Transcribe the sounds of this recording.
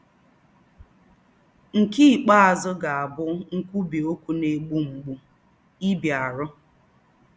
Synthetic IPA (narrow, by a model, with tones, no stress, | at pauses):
ŋ̩˨ki˦˨k͡pa˦a˨zʊ˦ɡa˨a˨bʊ˦ŋ̩˦kʷu˦bi˨o˦kʷu˦ne˨ɡ͡bu˦ŋ͡m̩˨ɡ͡bu˦ | i˦bja˨ɾʊ˦